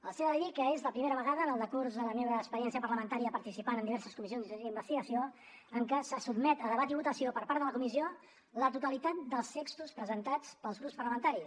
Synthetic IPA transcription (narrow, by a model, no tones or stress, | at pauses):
əlˠseaðəðikəezləpɾimeɾəβəɣaðəːnəlˠd̪əkuɾzðələmewβəːkspəɾjɛnsiəpəɾləmənt̪aɾijəpəɾt̪isipanənd̪iβɛɾsəskumizjonzimbəst̪iɣəsio | əŋkəsəsubmɛt̪əðəβat̪iβut̪əsiopəɾpaɾt̪ðələkumizio | lət̪ut̪əlit̪at̪̚d̪əlˠst̪ekst̪uspɾəzənt̪at͡spəlˠzɣɾupspərləmənt̪aɾi